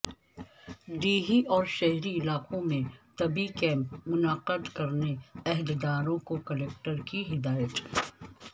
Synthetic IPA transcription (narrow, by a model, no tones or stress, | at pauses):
ɖiːɦiʔɔːɾʃɛɦɾiɪlaːqõmẽt̪ɐbikɛ̃ːmpmʊnəqəd̪kɐɾneɛɦd̪d̪aːɾõkokɐleːk̚ʈəɾkiɦɪd̪aːjət̪